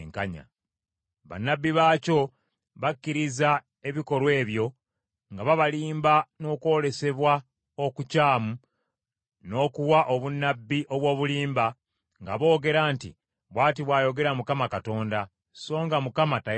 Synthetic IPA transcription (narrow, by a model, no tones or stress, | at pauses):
ŋkaɲa̰ | βa̰nːabːiβaːco̞ | βakːiɾiza | e̞βiko̞lwe̞ːβjo̞ | ŋɡaβaβaliːmbano̞ːko̞ːle̞se̞βwa | o̞kucaːmu | no̞ːkuwaʔoβunːabːiʔo̞βwo̞ːβuliːmba | ŋɡaβo̞ːɡe̞ɾaːntḭ | βwaːt̬iβwaːjo̞ɡe̞ɾamukamakato̞ːnda | so̞ːŋɡamukamata